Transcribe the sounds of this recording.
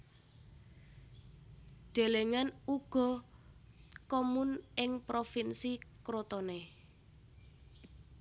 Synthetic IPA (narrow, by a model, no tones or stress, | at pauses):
ɖ̪̥e̤leŋanuɡ̥ɔ̤ | kɔmunɪŋpɾofinsikɾot̪ɔne